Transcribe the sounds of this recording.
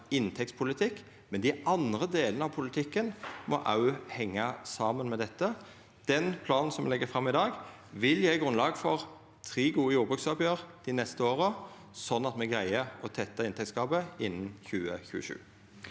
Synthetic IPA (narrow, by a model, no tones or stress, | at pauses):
ɪnt̪ʰɛk̚tspʰʊlɪt̪ʰɪk | mɛnd̪ɪʔɑnd̪ʁəd̪eːlənəɑʋpʰʊlɪt̪ʰɪkːənmɔ̰ʔɑ̰ʉhɛŋːɑsɑːmənmɛd̪ɛt̪ːə | d̪̥ɛnpʰlɑːnn̩sɔmʋɛlɛɡːəfɾɑmːɪd̪ɑːɡ | ʋɪljeːɡʁʉnlɑːɡfɔʁ | t̪ʰʁiːɡuːəjuːʁbʁʉksɑːpjøːʁd̪̥ɪnɛst̪əoːʁə | sɔnːɑt̪mɛɡʁæɪəɔt̪ʰɛt̪ːɑɪnt̪ɛktskɑːbəɪnːnçʉːə̰çʉ̰ːəʃʉ̰ː